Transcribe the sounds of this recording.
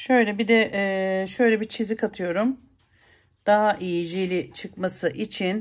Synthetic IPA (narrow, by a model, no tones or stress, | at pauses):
ʃø̞jlʲɛbid̪ɛʔːʃø̞jlʲɛbit͡ʃʰizikʰat̪ʰɯjo̞ɾum | d̪̥aɦaʔijid͡ʒilʲit͡ʃʰɯkmasɯʔit͡ʃʰin